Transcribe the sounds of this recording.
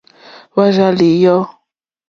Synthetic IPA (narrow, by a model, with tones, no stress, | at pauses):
βa˦ʒa˦li˨jɔ˦